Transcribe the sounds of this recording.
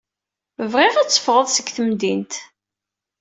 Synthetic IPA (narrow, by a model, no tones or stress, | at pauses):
əvʁɪʁæt͡sːə̥fʁəðˤsəɡθəmd̪int̪